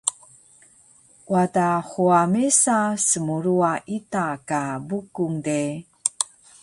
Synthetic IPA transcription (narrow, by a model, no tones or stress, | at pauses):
wadaχuamesasəmuɾuaʔitakabukuŋde